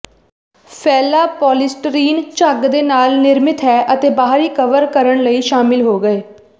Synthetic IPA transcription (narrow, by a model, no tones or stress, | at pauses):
pʰɛːlaːpɔːlɪsʈɾiːnt͡ʃəɡd̪eːnaːlnɪɾmɪt̪ɦɛːʔət̪eːbaːɦɾiːkəʋəɾkəɾəɳləiːʃaːmɪlɦoːɡəeː